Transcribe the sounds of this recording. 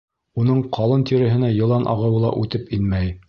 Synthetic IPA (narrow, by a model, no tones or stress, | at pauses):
unɤɴqʰɑlˠɤnt̪iɾɘ̆ɦɘ̆næjɤ̆lˠɑnʔɑ̰ʁɤ̆wɤ̆lˠɑ̰ʔʉt̪ɘpinmæj